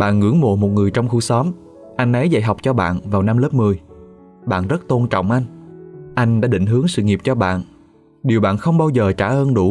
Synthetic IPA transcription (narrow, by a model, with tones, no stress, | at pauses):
ɓa̰ː˧˨nŋɨ̰˧˥əŋmo̰˧˨mo˨˩t̚ŋɨ˨˩əjt͡ɕɔ˧wŋ͡mxu˧sɔ˨˦m | ʔa˧jŋ̟ʔə˨˦jza̰˧˨jɦa˨˩wk͡p̚t͡ɕɔ˧ɓa̰ː˧˨nvaː˨˩wna˧mləː˦˥p̚mɨ˨˩əj | ɓa̰ː˧˨nzə˦˥t̚t̪o˧nt͡ɕɔ̰˧˨wŋ͡mʔa˧jŋ̟ʔa˧jŋ̟ɗa̰ː˧˥ɗḭ˧˨ŋ̟ɦɨ˨˦əŋsɨ̰˧˨ŋi˨˩p̚t͡ɕɔ˧ɓa̰ː˧˨n | ɗi˨˩əwɓa̰ː˧˨nxə˧wŋ͡mɓaː˧wzəː˨˩t͡ɕaː˧˩ʔəː˧nɗu˧˩